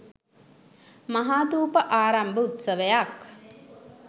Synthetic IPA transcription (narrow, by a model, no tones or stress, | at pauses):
maɦaːt̪uːpəʔaːɾambəut̪səʋəjak